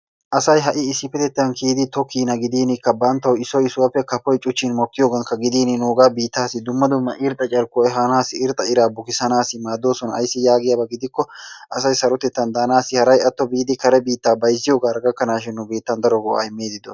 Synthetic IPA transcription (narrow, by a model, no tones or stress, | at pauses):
ʔɐsɐjɦɐʔɪːsːɪfɛt̪ɛt̪ːɐnkʰiːd̪ɪt̪ɔkiːnɐɡɪd̪iːnɪkːɐbɐnt̪ːɐwɪsːɔjɪsʊwɐpːɛkɐpːɔjt͡ʃʼʊt͡ʃːɪnmɔkːɪjo̞ːɡɐŋkɐɡɪd̪iːnɪnoːɡaːbiːt̪ːaːsɪd̪ʊmːɐd̪ʊmːɐʔɪɾt̪ʼːɐt͡ʃʼɐɾkːɔɛɦanaːsɪɪɾt̪ʼɐɪɾaːbʊkɪsɐnaːsɪmaːd̪o̞ːsɔnɐɐ̰jsːɪjaːɡɪjabɐɡɪd̪ɪkːɔʔɐsɐjsɐɾɔt̪ɛt̪ːɐnd̪aːnaːsɪhɐɾɐjɐt̪ːɔbiːd̪ɪkɐɾɛbiːt̪ːaːbɐjzːɪjo̞ːɡaːɾɐɡɐkːɐnaːʃɪnːʊbeːt̪ːɐnd̪ɐɾɔɡɔa̰ɪmːeːd̪ɪd̪ɔ